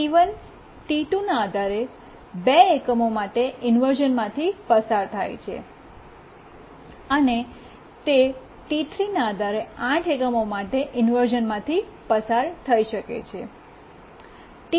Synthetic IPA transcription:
iʋən | ʈ̪iʈunaːd̪ʱaɾe | beekəmomaʈeʔɪnʋəɾd͡ʒənmãt̪ʰipəsaɾt̪ʰajt͡ʃʰḛ | əne | t̪e | ʈit̪ʰɾinaːd̪ʱaɾeãʈʰekəmomaʈeʔɪnʋəɾd͡ʒənmãt̪ʰipəsaɾt̪ʰəiʃəkḛt͡ʃʰe | ʈ

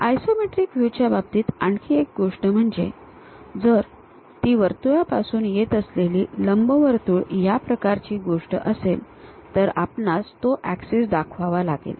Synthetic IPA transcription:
ajsomeʈɾiːkʋjut͡ɕjabab̚t̪iːt̪aɳkʰiek̚ɡoʂʈəm̤əɳd͡ze | d͡zəɾ | t̪iːʋəɾt̪ujapasuːnjet̪əsleliːləmbəʋəɾt̪uːɭjapɾəkaɾt͡ɕiːɡoʂʈə̰ʔəsel | t̪əɾa̰pnast̪oʔæksesd̪akʰʋaʋalaɡḛl

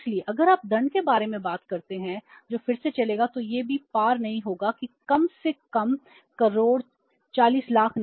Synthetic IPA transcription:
lieʔɐɡəɾaːp̚d̪ɐ̃ɳɖkebaːɾemẽbaːt̪kɐɾt̪eɦɛ̃d͡ʒoːfɪɾset͡ʃɐleːɡat̪ojeːbʱipaːɾnɐɦĩɦoːɡakikɐmsekɐm | kɐɾoːɽ | t͡ʃaːliːslaːkʰn

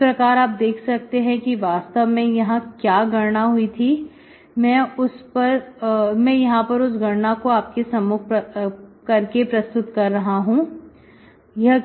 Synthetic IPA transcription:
pɾɐkaːɾaːp̚d̪eːkʰsɐk̚t̪eɦɛ̃kiʋaːst̪əʋmẽjɐɦãkjaːɡʱɐɾɳaɦʊit̪ʰi | mɛ̃ːʊspɐɾmɛ̃jɐɦãpɐɾʊs̬ɡʱɐɾnakoaːp̚kesɐmʊk̚ʰpɐkɐɾkepɾɐst̪ʊt̪kɐɾːɐɦaɦũː | jɐɦ

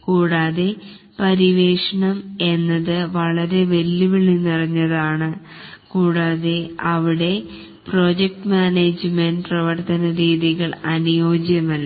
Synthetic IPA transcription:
kuːɽaːðe | pɐɾiʋe̞ːʂɐɳɐme̞nːɐðɨʋɐɭɐɾe̞ʋe̞lːuʋiɭinirɐɲːɐðaːɳɨ | kuːɽaːðe̞ɐʋiɽe̞ | pro̞ːd͡ʑek̚ʈɨmaːneːd͡ʑmenɖprɐʋɐrt̪ɐnɐɾiːðiɣɐɭɐnujo̞ːɡjɐmɐlːɐ

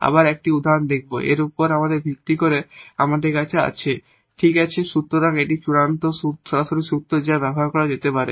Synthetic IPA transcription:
a̰baɾɛk̚ʈiud̪ʱaond̪ek̚ʰboʔḛɾupoɾamad̪eɾbʱik̚t̪ikoɾeamad̪eɾkat͡ɕʰea̰t͡ɕʰe | ʈʰikat͡ɕʰeʃut̪ːɾoɾaŋeʈit͡ɕuɽant̪ouʃɔɾaʃoɾiʃut̪ːɾod͡ʑabɛboɦaɾkɔɾad͡ʑet̪epaɾe

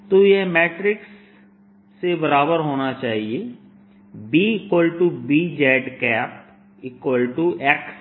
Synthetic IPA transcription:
t̪ojeɦmɛːʈɾɪksː | ebɐɾaːbəɾɦoːnat͡ʃaːɦie | biɪkwəlʈubiːd͡ʒɛːɖkɛːp̚ | ɪkəlʈuɛːks

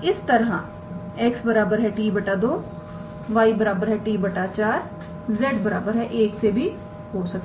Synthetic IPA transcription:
ɪst̪ɐɾɦã̰ | eksbəɾaːbəɾɦɛʈiːbɐʈad̪oː | ʋaːibəɾaːbəɾɦɛʈiːbɐʈat͡ʃaːɾ | zɛːʈbəɾa̰ːbəɾɦɛʔeːksebʱi | ɦoːsɐk̚t̪e

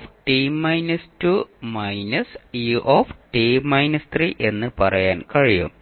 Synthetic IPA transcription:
fʈiːmːɐjnɐstumɐjnɐsiʔoːfʈiːmːɐjnɐst̪riʔe̞nːɨpɐrɐjaːnkɐɻijṵm

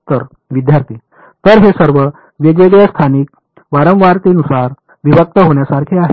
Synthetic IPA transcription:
t̪əɾ | ʋid̪jaɾt̪ʰiː | t̪əɾɦesəɾʋə | ʋjəɡʋeɡjast̪ʰanik̚ | ʋaɾə̃mʋaɾt̪inusaɾ | ʋiʋək̚t̪əɦoɳjasaɾkʰiaɦe

